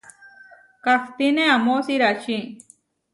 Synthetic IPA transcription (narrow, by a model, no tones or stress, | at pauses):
kakt̪ineamosiɾaʔt͡ʃi